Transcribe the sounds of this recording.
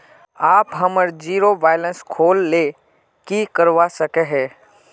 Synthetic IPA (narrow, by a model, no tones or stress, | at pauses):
aːpɦəməɾd͡ʒiːɾoʋaːɪlə̃nskʰoːlːe | kikəɾʋasəkeɦɛ̃ː